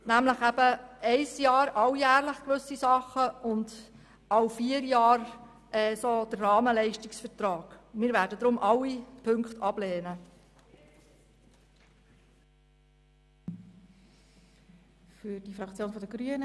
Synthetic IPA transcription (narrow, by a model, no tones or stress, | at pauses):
næmləχæbəɛɪsjɑːɾɑwjæːɾləχkʋɵsisɑχəʊnd | ɑwfiːəɾjɑːɾ | ʔɛsod̥ərːɑːməlɛɪʃtiksfəɾtɾɑːɡ̥mɪːɾʋæːɾdəd̥̪ɾʊmʔɑwːipʰɵŋktɑblɛːnə | fyd̥ifɾɑkt͡sjoːnfɔdəɡɾyənə